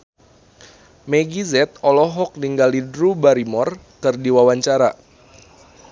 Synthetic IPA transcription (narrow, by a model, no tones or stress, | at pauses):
meɡizɛt̪̚ɔlɔɦɔk̚niŋɡalidɾubaɾimɔrkɨrdiwawaɲt͡ʃaɾa